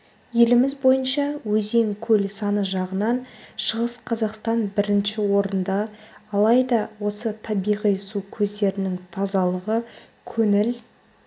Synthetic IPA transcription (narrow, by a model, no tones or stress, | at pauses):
je̞lɪmɪzbo̞jənʃɑwɵze̞ŋkʲʰɵlsɑnəʒɑʁənɑnʃəʁəsqʰɑzɑqst̪ɑnbɪɾɪnʃɪwo̞ɾənd̪ɑːlˠɑjd̪ɑwo̞sət̪ʰɑbijʁijsukʲʰɵzd̪e̞ɾɪnɪŋt̪ʰɑzɑlˠəʁə | kʲʰɵnɪl